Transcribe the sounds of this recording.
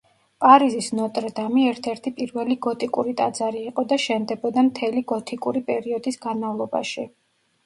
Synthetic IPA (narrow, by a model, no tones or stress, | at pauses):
pʼaɾizisnɔt̪ʼɾd̪amiɛɾt̪ʰɛɾt̪ʰipʼiɾvɛliɡɔt̪ʼikʼuɾit̪ʼad̪z̥aɾiːqʼɔd̪aʃɛnd̪ɛbɔd̪amt̪ʰɛliɡɔt̪ʰʼikʼuɾipʼɛɾiɔd̪isɡ̥anmavlˠɔba̰ʃi